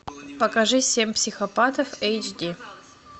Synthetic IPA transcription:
pəkɐʐɨsʲemʲpsʲɪxɐpat̪əfɛjt͡ʃdʲi

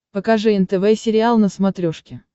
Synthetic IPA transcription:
pəkɐʐɨɛnt̪ɛvɛsʲɪɾʲɪalˠnəsmɐt̪ɾʲoʂkʲɪ

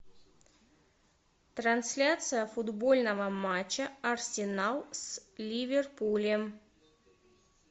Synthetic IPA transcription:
t̪ɾɐnsʲlʲat̪sɨjəfʊd̪bo̞lʲnəvəmat͡ɕːəɐrsʲɪnalˠslʲivʲɪrpulʲɪm

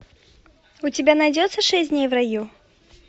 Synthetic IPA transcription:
ʊtʲɪbʲanɐjdʲɔt̪sːəʂɛsʲtʲdʲnʲejvrɐju

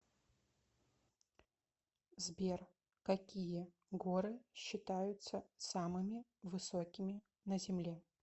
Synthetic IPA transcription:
zbʲer | kɐkʲijə | ɡoɾɨɕːɪt̪ajʊt̪səsamɨmʲɪvɨsokʲɪmʲɪ | nɐzʲɪmlʲe

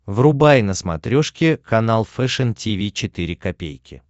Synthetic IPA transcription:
vrʊbajnəsmɐ̰t̪ɾʲoʂkʲɪkɐnalˠfɛʂɛntʲivʲit͡ɕɪt̪ɨɾʲɪkɐpʲḛjkʲɪ̰

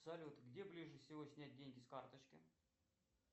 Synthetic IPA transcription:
sɐlʲut̪ɡdʲe̞blʲiʐɨfsʲɪvosʲnʲæt̚ʲdʲenʲɡʲɪskart̪ət͡ɕkʲɪ̰

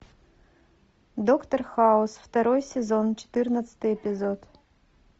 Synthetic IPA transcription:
d̪okt̪orxaosftaɾojsʲezont͡ʃʰe̥t̪ɨrnɐsɨ̥t̪ɨjɛpʲizod̪

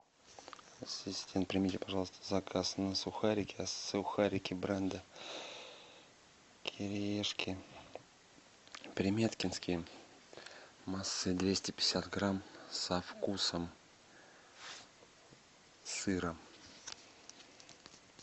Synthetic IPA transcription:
ɐsʲɪsʲtʲʰent̪̚pɾʲɪmʲitʲɪpɐʐɑlˠəst̪ʰə̥zɐkʰasnəsʊxaɾʲɪkʲɪɐsʊxaɾʲɪkʲɪbɾɛnd̪ə | kʲʰɪɾʲɪeʂkʲɪ | pɾʲɪmʲet̪kʲɪnskʲɪj | masːɨd̪vʲesʲtʲɪpʲɪ̥sʲat̪ɡɾamsɐfkusəm | sɨɾə

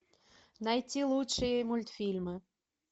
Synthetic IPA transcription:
nɑjtʲilˠutʂɨjemulʲt̪fʲilʲmɨ

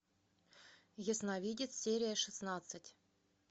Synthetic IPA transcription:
jəsnavʲidʲɪt̪sʲeɾʲɪjəʂɨsnat̪sɨtʲ

